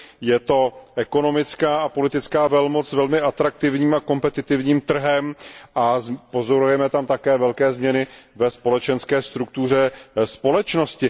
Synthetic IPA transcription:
jɛt̪o̞ʔɛko̞no̞mɪt͡skaːapo̞lɪt̪ɪt͡skaːvɛlmot͡ssvɛlmɪʔat̪ɾak̚t̪ɪvɲiːmako̞mpɛt̪ɪt̪ɪvɲiːmt̪r̩ɦɛmʔazpo̞zo̞ɾujɛmɛt̪amt̪akɛːvɛlkɛːzmɲɛnɪvɛspo̞lɛt͡ʃɛnskɛːst̪ɾuk̚t̪ur̝ɛspolɛt͡ʃno̞scɪ

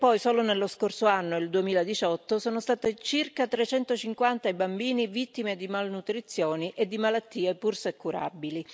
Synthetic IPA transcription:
pɔjsoːlonelːoskorsoanːoild̪uemiːlad̪it͡ʃɔt̪ːosoːnost̪aːt̪et͡ʃirkat̪ɾet͡ʃɛnt̪ot͡ʃiŋkwant̪aibambiːnivit̪ːimed̪imalnut̪ɾit̪sːjoːniʔed̪ːimalat̪ːiːepursekːuɾa̰bili

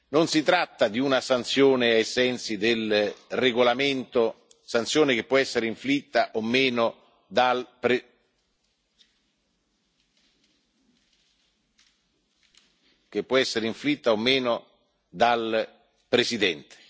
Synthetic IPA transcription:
nonsit̪ɾat̪ːad̪iunasant̪sjoːnɪajsɛnt̪sid̪elreɡolament̪o | sant̪sjoːnek̟epːwɔɛsːeɾeiɱflit̪ːaʔomːeːno | d̪alp | kepːwɔɛsːeɾeiɱflit̪ːaomːeːno | d̪al | pɾesid̪ɛnt̪e̥

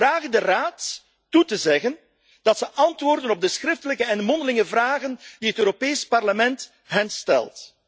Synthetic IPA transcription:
raːɣəndəraːtː | utəzɛɣən | d̥ɑtsəʔɑntʋoːrdənɔb̚dəsxrɪftələkəɛnmɔndəlɪŋəvraːɣənd̥iɦətøːɾopeːjspɑrləmɛnt | ɦɛnstɛ̰lˠt

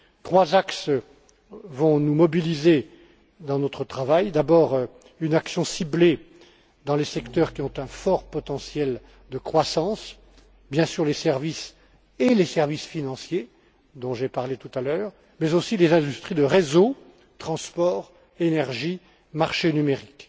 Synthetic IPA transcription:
t̪χwazaks | vɔ̃numɔbilize | d̪ɑ̃nɔt̪χət̪χavajd̪abɔːʁ | ynaksjɔ̃sible | d̪ɑ̃lesɛkt̪œʁkʲiɔ̃t̪ɛ̃fɔʁpɔt̪ɑ̃sjɛl | d̪əkχwasɑ̃s | bjɛ̃syʁlesɛʁvis | elesɛʁvisfinɑ̃sje | d̪ɔ̃ʒepaʁlet̪ut̪alœːʁ | mɛzosilezɛ̃d̪yst̪χid̪əʁezo | t̪χɑ̃spɔːʁ | enɛʁʒi | maʁʃenymeʁik

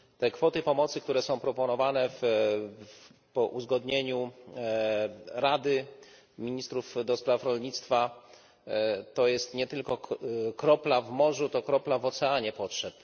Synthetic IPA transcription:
t̪ɛkfɔt̪ɘpɔmɔt̪sɘk̚t̪uɾɛsɔ̃w̃pɾɔpɔnɔvanɛf | pɔʔuzɡɔd̪ɲeɲu | ɾad̪ɘ | mʲiɲist̪ɾufd̪ɔspɾafɾɔlɲit̪st̪fa | t̪ɔjɛst̪ɲɛt̪ɘlkɔkɾɔplavmɔʐut̪ɔkɾɔplavɔt̪sɛaɲɛpɔtʂɛp

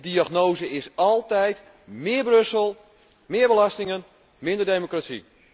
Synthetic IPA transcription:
diaχnoːzəɪsɔlˠtɛjt | mɪːrbrøsəlˠ | mɪːɹbəlastɪŋən | mɪndərdejmokratsḭ

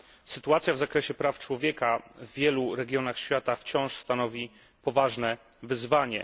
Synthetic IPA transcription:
sɘt̪uat̪sʲjavzakɾɛɕɛpɾaft͡ʂwɔvʲjɛkavːʲjɛluɾɛɡʲjɔnaxɕfʲjat̪aft͡ɕɔ̃w̃ʂst̪anɔvʲi | pɔvaʐnɛ | vɘzvaɲɛ̰

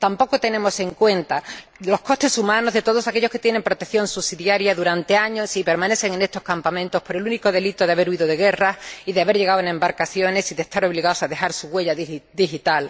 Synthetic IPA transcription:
t̪ampo̞kot̪e̞nẽ̞mo̞se̞ŋkwe̞nt̪a | lo̞hko̞st̪e̞sumãno̞zðe̞t̪oð̞o̞sake̞ʎoke̞t̪je̞ne̞mpɾo̞t̪eθjõ̞nsusiðjaɾjaðuɾant̪eaɲo̞sipe̞ɾmãne̞θe̞ŋe̞nest̪o̞hkampamẽ̞nt̪o̞hpo̞ɾe̞luniko̞ðe̞lit̪oðeaβe̞ɾuiðoðe̞ɣe̞rasiðeaβe̞ɾʝe̞ɣawenẽ̞mbaɾkaθjo̞ne̞siðe̞st̪aɾo̞β̞liɣao̞saðe̞xaɾsuɣwe̞ʎaðd̪ixit̪al

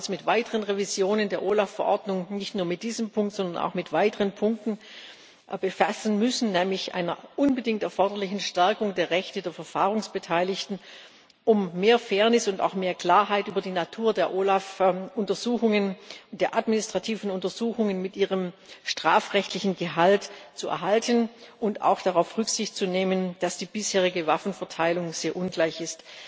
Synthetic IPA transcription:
ʊsmɪtv̥aɪtəʁənʁevizjoːnəndeːɐʔoːlafɛɐʔɔ̰ɐdnʊŋnɪçtnuːɐmɪt̚d̥iːzəmpʰʊŋk̚tz̥ɔndɐna̰ʊxmɪtv̥aɪtəʁənpʰʊŋk̚tn̩ | b̥əfasn̩mʏsn̩nɛːmlɪçʔa̰ɪnɐ̰ʔʊnbədɪŋtɛɐfɔɐdɐlɪçn̩ʃtɛɐkʊŋdeːɐʁɛçtədeːɐfɛɐfaːʁʊŋsb̥ətʰaɪlɪçtn̩ | ʔʊmːeːɐfeːɐnɪsʊnta̰ʊxmeːɐkl̥aːɐɦaɪtʔyːbɐdiːnatʰuːɐdeːɐʔoːlafʔʊntɐzuːxʊŋənd̥eːɐʔadmɪnɪstʁ̥atʰiːvn̩ʊntɐzuːxʊŋənmɪtʔiːʁ̞əmʃtʁ̥aːfʁɛçtʰlɪçn̩ɡəɦaltt͡suʔɛ̰ɐɦaltənʔʊnta̰ʊxd̥aʁaʊfʁʏkz̥ɪçtt͡suneːmənd̥asd̥iːbɪsheːʁ̞ɪɡəvafn̩fɛɐtʰaɪlʊŋz̥eːɐʔʊnɡlaɪçɪst

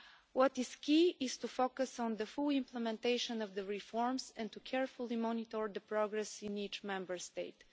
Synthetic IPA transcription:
wɔt̪ɪz̥kiɪz̥t̪ufokəsɔ̃nd̪əfulˠɪ̃mplɛmɛ̃nt̪eɪʃə̃nɔvd̪əɹifɔɹmsɛ̃nt̪ukʰɛɹfʊlˠimɔnit̪ɔɹd̪əpɾɔɡɾɛsĩnit͡ʃmɛ̃mbəɹst̪eɪt

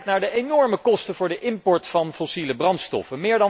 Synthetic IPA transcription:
k̚naːɹdəenɔɹməkɔstəvʊːɹdəʔɪmpɔɹtfɑnfɔsiləbrɑntstɔ̰fənmɪːɹdɑ

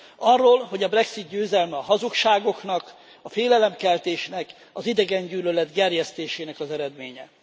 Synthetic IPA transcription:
ɒrːoːlɦo̞ɟɒbrɛksit̪ɟøːzɛlmɛɒɦɒzukʃaːɡo̞knɒk | ɒfeːlɛlɛmkɛlt̪eːʃnɛk | ɒzid̪ɛɡɛɲɟyːlølɛd̪ɡɛrjɛst̪eːʃeːnɛkɒzɛɾɛd̪meːɲɛ

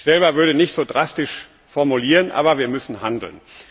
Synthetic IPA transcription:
z̥ɛlbɐvʏɐɾənɪçtz̥oːdʁastɪʃ | fɔɐmuliːʁənʔa̰ːbɐviːɐmʏsn̩ɦandl̩n

